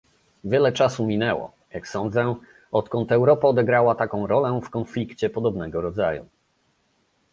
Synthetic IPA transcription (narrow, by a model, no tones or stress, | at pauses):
vʲjɛlɛt͡ʂasumʲinɛwɔ̰ | jaksɔnd̪zɛ | ɔt̪kɔnt̪ɛwɾɔpaɔd̪ɛɡɾawat̪akɔ̃w̃ɾɔlɛ̃fkɔnflʲikt͡ɕɛpɔd̪ɔbnɛɡɔɾɔd̪zajṵ